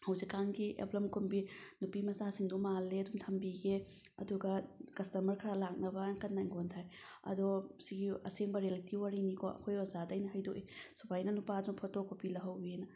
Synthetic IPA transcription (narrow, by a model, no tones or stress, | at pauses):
hɐwsikːaŋɡiʔḛplɐmkʰumbinupimɐsasiŋdumalːeɐdumtʰɐmbiɡeɐ̰duɡɐkɐstɐmɐɾkʰɐɾalak̚nɐbɐkɐnːajŋɡontʰaj | ɐ̰dosiɡiɐ̰seŋbɐɾijalitiwaɾinikʰo̰ʔɐ̰kʰojozadɐjnɐɦɐjdoʔisubʰajnɐnupadunpʰɔtokːopilɐɦɐwenɐ